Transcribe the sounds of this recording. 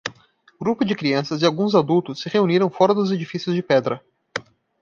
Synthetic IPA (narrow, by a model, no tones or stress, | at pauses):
ɡɾupʊd͡ʒɪkɾiɐ̃sɐzɪawɡũzad̪uwt̪ʊsːɪʁeuniɾɐ̃w̃fɔɾɐd̪ʊzed͡ʒifisjʊzd͡ʒɪpɛd̪ɾɐ